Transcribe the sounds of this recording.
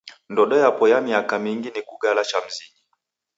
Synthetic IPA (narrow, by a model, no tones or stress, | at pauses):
ndɔɗɔjapɔjamiakamiŋɡinikuɡalat͡ʃam̩ziɡi